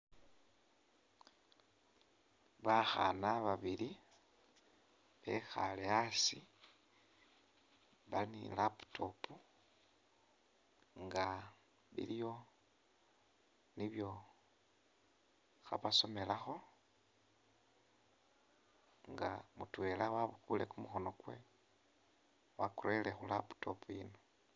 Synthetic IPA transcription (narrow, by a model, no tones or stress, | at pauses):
βaxa̰naβaβili | βḛxaleasi | βalinḭlapu̥tʰopu | ŋɡa | βḭljo̞ | niβjo̞ | xa̰βaso̞me̞laxo̞ | ŋɡamutwe̞laβaβukulekumuxo̞no̞kwe̞̰ | wakuɾelexulapu̥to̞pujino